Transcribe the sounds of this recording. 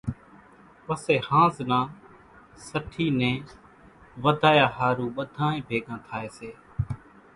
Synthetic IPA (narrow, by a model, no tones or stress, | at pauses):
ʋəseːhãːznãː | səʈʰiːnẽː | ʋəd̪ʱaːjaːhaːɾũːɓəd̪ʱãːẽːbʱeːɡãːt̪ʰaːeːseː